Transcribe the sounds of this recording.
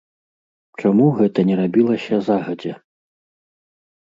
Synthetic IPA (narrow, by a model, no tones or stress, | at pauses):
t͡ʂamuɣɛt̪ɐnʲɛɾabʲilˠɐsʲɐzaɣɐd͡zʲɛ